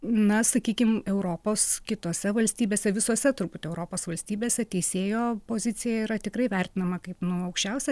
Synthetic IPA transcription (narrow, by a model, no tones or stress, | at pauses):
nɐsɐkʲiːkʲɪmɛʊɾoːpoːskʲɪt̪oːsʲɛʋɐlʲsʲt̪ʲiːbʲeːsʲɛʋʲɪsoːsʲɛt̪ʊɾbuːt̪ɛʊɾoːpoːsʋɐlʲsʲt̪ʲiːbʲeːsʲɛt̪ʲɛɪsʲeːjoːpoːzʲɪt͡s̪ʲɪjɛiɾɐt̪ʲɪkɾɐɪʋʲærʲt̪ʲɪnɐmɐkɐɪpnʊɐʊkʃʲt͡ʃʲɛʊsʲɛ